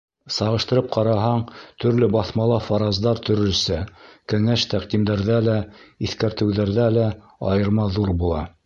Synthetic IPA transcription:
sɑʁɤ̆ʃt̪ɤ̆ɾɤp̚qʰɑɾɑɦɑɴt̪ʰɵ̆ɾlɘbɑθmɑlˠɑfɑɾɑzd̪ɑɾt̪ʰɵ̆ɾɵ̆ɾsækɘ̆ŋæʃt̪æqd̪imd̪æɾðælæiθkæɾt̪ɘ̆wðæɾðælæ | ɑjɤ̆ɾmɑðuɾbulˠɑ̰

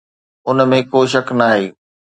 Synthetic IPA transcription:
ʊnmẽkoːʃɐknaːɦeː

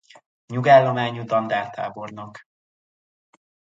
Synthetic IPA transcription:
ɲuɡaːlːo̞maːɲud̪ɒnd̪aːrt̪ʰa̰ːbo̞rnok

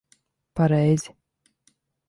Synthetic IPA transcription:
paɾɛjzʲɪ

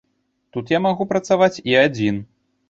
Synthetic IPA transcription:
t̪ut̪jamaɣupɾɐt̪savat͡sʲiad͡zʲin

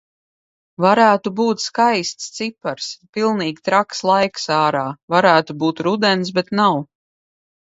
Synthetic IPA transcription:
vaɾæːt̪ubuːt̪skajst̪st̪sipaɾspilˠniːɡʲt̪ɾakslˠajksaːɾaːvaɾæːt̪ubuːt̪ɾud̪ɛns̬bɛt̪naw

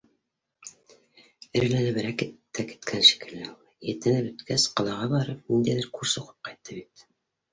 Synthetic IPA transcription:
ɘ̆ɾlænɘβɘ̆ɾækit̪ːæki̥t̪kʰænʃi̥kɘ̆læulˠjɘ̆t̪ɘ̆nɘpɵ̆t̪kæsqɑ̆lˠɑʁɑβɑɾɤp̚nind̪æjðæɾkuɾsɤqu̥p̚qɑjt̪ːɤbit̪

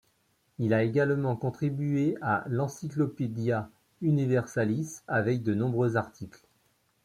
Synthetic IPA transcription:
ilaeɡalmɑ̃kɔ̃t̪χibyealɑ̃siklɔped̪ja | ynivɛʁsalisavɛk̚d̪ənɔ̃bʁøzaʁt̪ʰikl

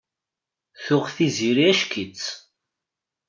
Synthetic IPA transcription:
θʊʁθiziɾiæʃkʰit͡sː

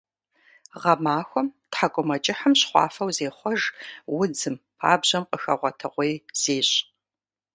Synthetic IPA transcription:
ʁɐmaːxʷɔmtħakʷʼʊmɐt͡ʃʼɪħəmɕχʷɑ̰ːfɐwzeːχʷɔʒwʊd͡zɨmpʰa̰ːbʑɐmqʼəxɐ̰ʁʷɔtʰɨʁʷejz̥eːɕʼ

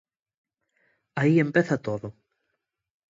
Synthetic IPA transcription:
aie̞mpeθɐt̪oðo

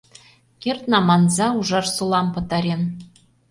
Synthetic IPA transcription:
kʲert̪nɑmɑnzɑuʐɑrsulˠɑmpɤ̆t̪ɑɾʲen

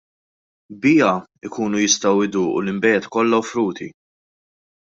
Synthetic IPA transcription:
bɪːɐɪkuːnujɪst̪ɐwɪd̪uːʔṵlɪmbɛːt̪kɔlːɐwfɾuːt̪ʰi

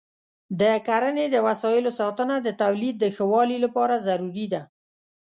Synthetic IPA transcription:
d̪əkaɾəned̪əwasɑjɪlosɑt̪ənad̪ət̪awlid̪̚ːəxəwɑlilapɑɾazaɾuɾid̪a

